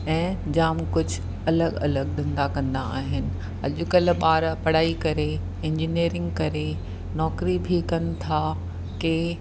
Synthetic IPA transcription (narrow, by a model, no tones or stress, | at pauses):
ɛ̃ːd͡ʑaːmkʊd͡ʑʱʊ | ɐləɡɐ̰ləɠ̚ɗ̪ɐ̃nd̪akɐ̃nd̪aaːɦɪnɪ̆ | ɐ̰ʄʊkəlɓaːɾpɐɽ̤aːikɐɾe | ɪ̃ɲd͡ʑiniːɾɪ̃ŋɡkɐɾe | nɔːkɾibʱikɐnɪ̆t̪ʰa | ke